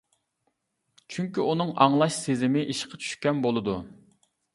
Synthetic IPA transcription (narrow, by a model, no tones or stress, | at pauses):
t͡ʃʰyŋkʲiunɨŋɑŋlˠɑʃsezɪmɪʔiʃqʰɑt͡ʃʰy̥ʃkʲɛnbolˠɨd̪u